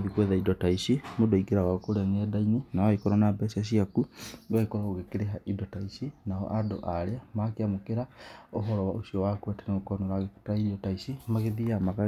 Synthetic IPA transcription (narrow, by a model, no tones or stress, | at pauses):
ðikwɛðaidɔtaisimodoiɡeɾaɣakoɾɛŋɛdaininaaikoɾanabɛsiaʃ̬iakuɡaikoɾaɣoɣekeɾeɦaʔidɔtaisinaɔ̰ʔado̰ʔaɾeamakeamokeɾaoɦɔɾɔwaʔosiɔwakwɛtɛneɣokɔnɔɾaɣektaidɔtaisimaɣeðiamaɣa